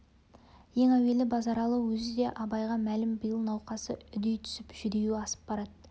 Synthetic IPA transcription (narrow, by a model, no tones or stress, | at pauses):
je̞ŋæwe̞lɪbɑzɑɾɑlˠəwɵzɪd̪e̞ʔɑbɑjʁɑmælɪmbəjəlˠnɑwqɑsəʏd̪ejt̪ʰʏ̥sɪpʒʏd̪e̞juɪɑsə̥p̚bɑɾɑd̪̚